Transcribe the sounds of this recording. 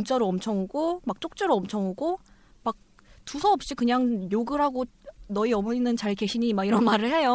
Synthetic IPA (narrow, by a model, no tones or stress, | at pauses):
mt͡ɕ͈ʌɾoʌmt͡ɕʰʌŋɦuɡomak̚t͡ɕ͈ok̚t͡ɕ͈ʌɾoʌmt͡ɕʰʌŋɦuɡo | mak̚ | tusʰʌʌp̚ɕ͈ikɯɲaŋjoɡɯɾɦaɡonʌiʌmʌinːɯnt͡ɕaɭke̞ɕʰiɲimaɡiɾʌnmaɾɯɭhe̞jo